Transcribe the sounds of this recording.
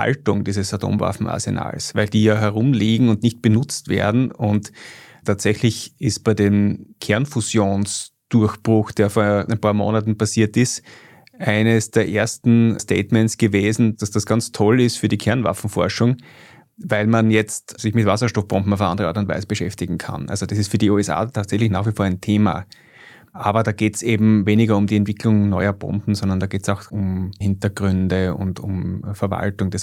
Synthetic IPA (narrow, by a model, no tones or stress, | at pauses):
ha̰ltʊŋd̥iːzəsatʰo̰ːmva̰fn̩a̰ɐsḛna̰ːlsvæɪldiːjaːɦɛɐʁʊmliːɡŋ̩ʊndnɪçt̚b̥ənʊt͡stv̥ḛɐdn̩ʊnttʰːaːtz̥ɛçlɪçɪst̚b̥æɪdeːmkʰɛɐnfuzjoːnsd̥ʊɐxb̥ʁʊxd̥eːɐfoːɐɐʔɪnpʰaːɐmo̰ːnatn̩pasiːɐtɪst | ʔaɪnəsd̥eːɐʔeːɐstn̩stʰḛːtmɛnsɡ̥əveːzn̩d̥asd̥asɡ̥ant͡stʰɔlɪstfyːɐɾiːkʰɛɐnva̰fn̩fɔɐʃʊŋ | væɪlmanjɛt͡stsɪçmɪtvas̬ɐʃtɔfb̥ɔmbm̩aʊfəʔã̰ndəʁəaɐtʊntvæ̰ɪzəb̥əʃɛftɪɡŋ̩kʰa̰nʔa̰lzod̥asɪstfyːɐdiuːɛsa̰ːtʰaːtsɛçlɪçnaːxv̥ʋifoːɐæɪntʰeːma̰ | ʔaːbɐdaːɡeːtsʔeːbm̩veːnɪɡɐʊmdiɛntv̥ɪklʊŋnɔʏɐbɔ̰mpm̩zɔndɐndaːɡeːtsaʊxʊmhɪntɐɡʁʏndəʊ̰ntʊmfɛɐva̰ltʊŋd̥as